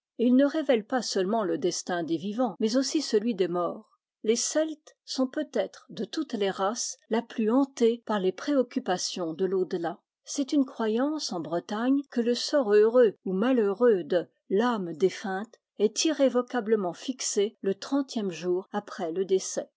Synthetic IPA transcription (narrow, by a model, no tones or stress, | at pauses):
eilnəʁevɛlpasœlmɑ̃ləd̪ɛst̪ɛ̃d̪evivɑ̃mɛzosisəlɥid̪emɔːʁ | lesɛlt̪ | sɔ̃pøt̪ɛt̪χd̪ət̪ut̪leʁaslaplyɑ̃t̪epaʁlepχeɔkʲypasjɔ̃d̪əlod̪la | sɛt̪ynkχwajɑ̃sɑ̃bʁət̪aɲkələsɔʁøʁøumaløʁød̪ə | lamd̪efɛ̃t̪ | ɛt̪iʁevɔkabləmɑ̃fikselət̪χɑ̃t̪jɛmʒuːʁapχɛləd̪esɛ